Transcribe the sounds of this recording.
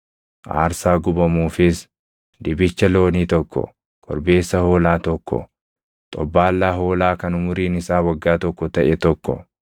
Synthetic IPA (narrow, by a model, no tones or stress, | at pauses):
ʔa̰ːɾsaːɡʊbɐmuːfɪs | d̪ɪbɪt͡ʃːɐlo̞ːniːt̪ɔkːɔ̰ | kʰɔ̰ɾbe̞ːsːɐho̞ːlaːt̪ɔkːɔ̰ | t̪ʼɔbːaːlːaːɦo̞ːlaːkɐnʊmʊɾiːnɪsaːwɐɡːaːt̪ɔkːɔt̪ɐʔɛt̪ɔkːɔ̰